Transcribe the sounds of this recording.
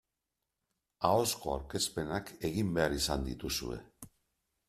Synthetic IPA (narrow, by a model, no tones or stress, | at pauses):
ao̞sko̞a̰wɾkespe̞nake̞ɣimbe̞aɾisand̪ḭt̪usṵe̞̰